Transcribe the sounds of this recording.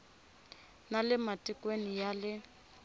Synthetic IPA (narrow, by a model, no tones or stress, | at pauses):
nalɪmatikwenijalɪ